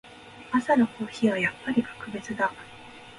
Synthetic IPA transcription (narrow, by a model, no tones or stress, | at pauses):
asano̞ko̞ːçiβajapːaɾʲikḁkɯ̟be̞t͡sɨd̪a